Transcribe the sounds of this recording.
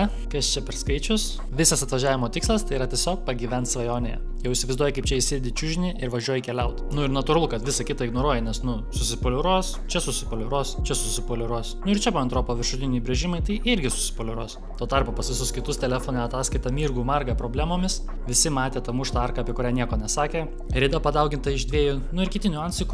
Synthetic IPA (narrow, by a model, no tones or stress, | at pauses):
ɐ | kɐst͡ʃʲɛpʲɛɾskɐɪt͡ʃʲʊs | ʋʲɪsɐsɐt̪ʋɐʒʲæːʋʲɪmoːt̪ʲɪkslˠɐst̪ɐɪiɾɐt̪ʲiɛsʲoːk̚pɐɡʲiːʋʲɛnt̪sʋɐjoːnʲḛjɛ̰ | jɛʊɪʃsʲɪʋɐɪzd̪uɔjɛkɐɪpt͡ʃʲɛɪʃʲsʲɪɾʲd̪ʲɪt͡ʃʲʊʒʲɪnʲɪʔɪɾʋɐʒʲuɔjɛkʲɛlʲɛʊt̪nʊɪɾnɐt̪ʊɾɐlˠʊkɐt̪ʋʲɪsɐkʲɪt̪ɐɪɡnoːɾuɔjɛnʲɛsnʊ | sʊsʲɪpoːlʲɛɾuɔst͡ʃʲɛsʊsʲɪpoːlʲɛɾuɔst͡ʃʲɛsʊsʲɪpoːlʲɛɾuɔsnʊɪɾt͡ʃʲɛbuʋɐnt̪ɾoːpoːʋʲɪrʃʊt̪ʲɪnʲɛɪbʲɾʲɛʒʲɪmɐɪt̪ɐɪɪɾʲɡʲɪsʊ̥sʲɪ̥poːlʲɛɾuɔs | t̪oːt̪ɐrpoːpɐsʋʲɪsʊskʲɪt̪ʊst̪ʲɛlʲæfoːnʲɛɐt̪ɑːsʲkɐɪt̪ɐmʲiːrɡuːmɐrɡɐpɾoːbʲlʲæːmoːmʲɪs | ʋʲɪsʲɪmɑːt̪ʲeːt̪ɐmʊʃt̪ɑrkɐːpʲiɛkʊɾʲæːnʲiɛkoːnʲɛsɑːkʲeː | ɾʲɛɪd̪ɐpɐd̪ɑʊɡʲɪnt̪ɐɪʒd̪ʲʋʲiɛjʊnʊɪɾkʲɪt̪ʲɪnʲʊɑnʲsʲɪkʊ